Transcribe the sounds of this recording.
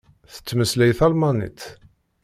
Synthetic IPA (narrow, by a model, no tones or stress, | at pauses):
θə̥t͡sːməslæjθɑlmɑnḭt̪